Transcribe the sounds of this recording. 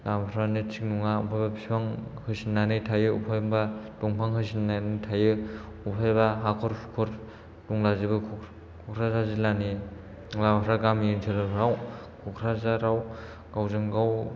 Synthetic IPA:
lamaɾanitʰiŋnuŋaṵpʰajbapʰipʰaŋhɯsinːanɯjtʰajɯupʰajmbatɔŋpʰaŋhɯsinːanɯtʰajɯ | upʰajbaɦakʰɔɾpʰukʰɔɾ | duŋlazibɯkʰ | kʰɔkʰɾazazilani | labaɾaɡamentʰelɯɾaw | kʰɔkʰɾazaɾaw | ɡawzɯŋɡaw

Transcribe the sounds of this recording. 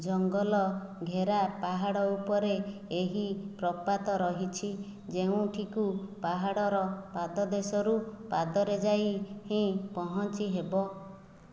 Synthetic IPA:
d͡ʒɔŋɡɔlɔɡʱeɾapaɦaɽɔupɔɾeeɦipɾɔpat̪ɔɾɔɦit͡ʃʰi | d͡ʒeũʈʰikupaɦaɽɔɾɔpad̪ɔd̪esɔɾupad̪ɔɾed͡ʒajhĩpɔɦɔnt͡ʃiɦebɔ

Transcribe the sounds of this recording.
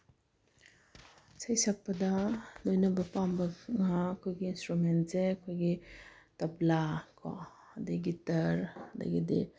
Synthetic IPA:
sɐjsak̚pɐdɐlojnɐbɐpambɐŋaːkʰojɡiinstɾument̚seɐkʰojɡitɐblakʰɔ̰ | ɐdiɡitɐɾɐdɐ̰ɡidḭ

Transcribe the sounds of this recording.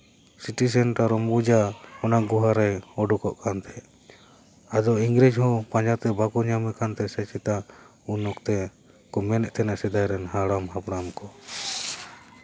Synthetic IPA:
siʈis̬ɛnʈaɾɔmbud͡ʒaɔnaɡuɦaɾɛɔɖukɔʔkʰant̪ʰɛ | ad̪ɔiŋɡɾɛd͡ʒhɔ̃pãd͡ʒat̪ɛbakuɲamɛkant̪ɛsɛt͡ʃʰit̪a | unɔkt̪ɛ | kɔmɛnɛʔt̪ʰɛnaʔsɛd̪ajɾɛnhaɽamɦapɽamkɔ

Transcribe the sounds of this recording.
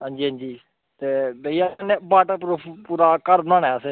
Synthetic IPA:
ɦãːɲd͡ʒiːɦãːɲd͡ʒiː | t̪eːbeːiãneːbaːʈapɾpuːɾaːkəɾnãːnɛːse

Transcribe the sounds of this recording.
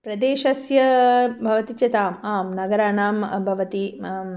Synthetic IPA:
pɾɐd̪eːʃɐsjɐbʱɐʋɐt̪it͡ʃɐt̪aːmaːmnɐɡɐɾaːnaːmbʱɐʋɐt̪i

